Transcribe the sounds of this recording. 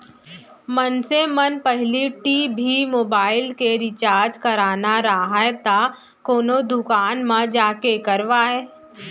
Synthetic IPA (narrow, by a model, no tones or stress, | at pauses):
mənsemənpəɦliʈiːbʱimoːbaːɪlkeɾɪt͡ʃaːɾd͡ʒkɐɾaːnaɾaɦaet̪a | koːnod̪ʊkaːnmãd͡ʒaːkekɐɾʋaːeː